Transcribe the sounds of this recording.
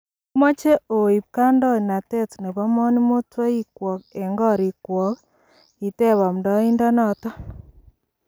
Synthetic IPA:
mɔ˦t͡ʃe˦ʔo˨i˨p̚ka˦ndɔ˦˨na˨tɛ˦tne˨βɔ˦mɔ˦ni˦mo˦twɔ˦i˦kwɔ˨k̚e˨ŋɡɔ˦˨ɾi˨kwɔ˨k | i˨te˦˨βa˨m˨dɔ˦i˦nda˦nɔ˨tɔ˦

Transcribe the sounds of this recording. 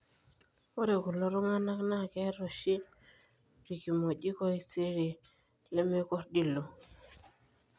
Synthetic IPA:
o˦ɾe˨ko˨lɔ˦ɾo˦ŋa˦na˦kna˦˨kɛ˦ɾo˨ʃi˦ | ɾi˨ki˨mo˨ʄi˦ko˦i˦˨si˦ɾi˨ | le˦me˦kɔ˦ɾdi˦lo˨

